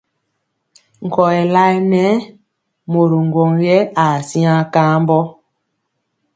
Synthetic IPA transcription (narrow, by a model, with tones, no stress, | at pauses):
ŋ̩˨kɔ˨ɛ˨la˦i˦nɛ˦ | mo˨ɾu˨ŋ˨ɡwɔ˨ŋjɛ˦a˨sĩ˦ã˦kaː˦mbɔ˦